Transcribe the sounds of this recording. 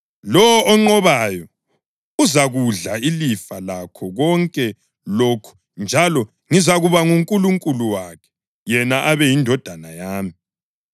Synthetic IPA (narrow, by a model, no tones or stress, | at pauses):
lɔwɔʔːŋ͡ǃɔβajɔ | uzaɣuɮailifalakʰɔɣɔŋkʼɛ | loːkʰu̥ | nd͡ʒʱalɔ | ŋizaɣuβaŋuŋkʼuluŋkʼuluwakʰɛ̥ | jɛnaʔaβɛjindʱɔd̥ʱanajaːmi